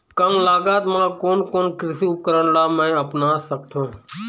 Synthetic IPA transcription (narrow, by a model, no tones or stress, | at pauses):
kəmlaːɡaːt̪mãːkoːnkoːnkɾɪsuːp̚kəɾəɳlaːmãəpnaːsək̚t̪ʰõː